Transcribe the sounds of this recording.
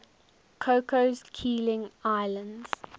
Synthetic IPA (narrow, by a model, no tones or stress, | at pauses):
kʰokozkʰiːlɪ̃ŋaɪlə̃ndz̥